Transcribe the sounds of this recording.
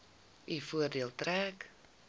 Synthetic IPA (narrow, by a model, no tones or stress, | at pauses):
ʔifuərdiəlˠtɾɛːk